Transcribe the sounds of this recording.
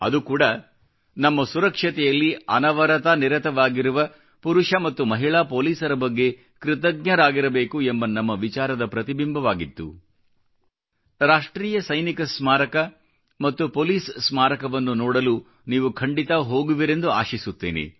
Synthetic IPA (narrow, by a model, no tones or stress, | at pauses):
ɐ̰d̪ukuːɽɐ | nɐmːɐsuɾɐkʂɐt̪ɛjɐlːiɐnɐʋɐɾɐt̪ɐniɾɐt̪ɐʋaːɡiɾuʋɐ | puɾuʂɐmɐt̪ːumɐɦiɭaːpoːliːsɐɾɐbɐɡːe̞ | kɾɪt̪ɐɡ̚ɲɐɾaːɡiɾɐbe̞ːkuembɐnɐmːɐʋit͡ʃaːɾɐd̪ɐpɾɐt̪ibimbʱɐʋaːɡit̪ːṵ | ɾaːʂʈɾiːjɐsɐjnikɐsmaːɾɐkɐ | mɐt̪ːupoːliːssmaːɾɐkɐʋɐnːunɔːɽɐlu | niːʋukʰɐɳɖit̪ɐɦo̞ːɡuʋiɾe̞nd̪uaːʃisut̪ːḛːnḛ